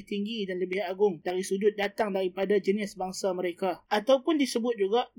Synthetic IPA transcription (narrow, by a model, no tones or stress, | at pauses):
t̪iŋɡidanləbɪhaɡʊŋdaɾisud͡ʒʊt̪̚dat̪aŋdaɾipadad͡ʒənɪsbaŋsaməɾekaʔat̪awpʊndisəbʊt̪̚d͡ʒuɡaʔ